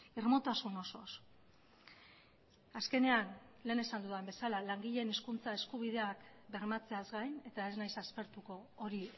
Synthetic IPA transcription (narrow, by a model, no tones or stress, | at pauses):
irmo̞t̪asuno̞so̞̰s | aske̞ne̞anle̞ːne̞sand̪uðaembe̞salalaŋɡiʎe̞neskunt͡sae̞skuβið̞e̞akbe̞ɾmat͡se̞azɡajne̞t̪ae̞znajsaspe̞ɾt̪uko̞ːɾi